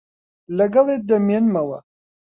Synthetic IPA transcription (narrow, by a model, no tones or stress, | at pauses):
lːæɡɑðˤid̪æmːiænmæwæ̰